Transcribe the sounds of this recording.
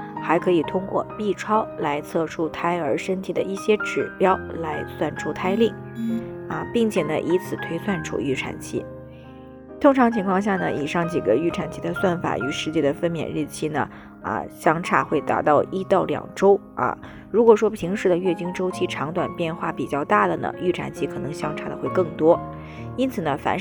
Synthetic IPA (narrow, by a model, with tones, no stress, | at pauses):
xa˧˥ɪkʰɤ˧˥i˨˩t̪ʰʊ˥ŋkwɔ̰˥˧pi˥˩ʈ͡ʂʰwɑ˥ʊla˧˥ɪt͡sʰɤ˥˩ʈ͡ʂʰu˥t̪ʰa˥ɪə˞˧˥ʂə˥nt̪ʰi˨˩d̪ə˦i˥˩ɕjɛ˥ʈ͡ʂɻ̩˨˩pjɑ˥ʊla˧˥ɪswa˥˩nʈ͡ʂʰu˥t̪ʰa˥ɪli˥˩ŋ | ə˧pi˥˩ŋt͡ɕʰjɛ˨˩nə̰˦ʔi˧˥t͡sʰɹ̩˨˩t̪ʰwe˥ɪswa˥˩nʈ͡ʂʰṵ˨˩y˥˩ʈ͡ʂʰa̰˨˩nt͡ɕʰḭ˥ | t̪ʰʊ˥ŋʈ͡ʂʰɑ˧˥ŋt͡ɕʰi˧˥ŋkʰɑ˥˧ŋɕja˥˩nə̰˩ʔḭ˨˩ʂɑ˥˩ŋt͡ɕi˨˩ɡə˦y˥˩ʈ͡ʂʰa˨˩nt͡ɕʰi˥d̪ə˧swa˥˩nfa̰˨˩y˧˥ʂɻ̩˥˧t͡ɕjɛ˥˩d̪ə˩fə˥nmjɛ̰˨˩nɻ̩˥˩t͡ɕʰi˥nə̰˨ | ə̰˧˩ɕjɑ˥ŋʈ͡ʂʰa˥˩xwe˥˩ɪt̪a̰˨˩ʊt̪ɑ˥˩ʊʔi˥t̪ɑ˥˩ʊljɑ̰˨˩ŋʈ͡ʂo˥ʊ | ɐ̰˧˩ | ɻu˧˥kwɔ˨˩ʂwɔ˥pʰi˧˥ŋʂɻ̩˥˩d̪ə˩ɥɛ˥˩t͡ɕi˥ŋʈ͡ʂo˥ʊt͡ɕʰi˥ʈ͡ʂʰɑ˧˥ŋt̪wa˨˩npjɛ˥˧nxwa˥˩pi˨˩t͡ɕjɑ˥˧ʊt̪a˥˩d̪ə˩nə̰˩y˥˩ʈ͡ʂʰa̰˨˩nt͡ɕʰi˧˥kʰɤ˨˩nɤ˧˥ŋɕjɑ˥ŋʈ͡ʂʰa˥˩d̪ə˨˩xwe˥˧ɪkɤ˥˩ŋt̪wɔ˥ | i˥nt͡sʰɹ̩˨˩nə˦fa̰˩n